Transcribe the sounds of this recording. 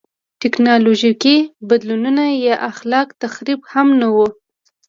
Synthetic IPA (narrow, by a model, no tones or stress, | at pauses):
ʈɪknɑloʒikibad̪lununajɑʔaxlɑkt̪axɾibhamnawu